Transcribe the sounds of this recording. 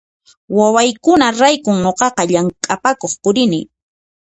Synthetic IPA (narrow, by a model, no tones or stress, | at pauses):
wawajkʊnaɾajkʊŋɲoqɑqɑʎaŋkʼapakoχpʊɾɪnɪ